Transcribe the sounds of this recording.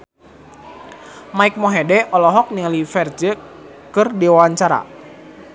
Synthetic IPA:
maik̚mɔɦɛdɛʔɔlɔɦɔk̚niŋalifɛrd͡ʒə | kɨrdiwawaɲt͡ʃaɾa̰

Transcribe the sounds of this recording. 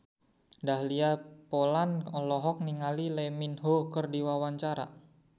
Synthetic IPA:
dahliapolanɔlɔɦɔk̚niŋalilɛminɦokərdiwawaɲt͡ʃaɾa̰

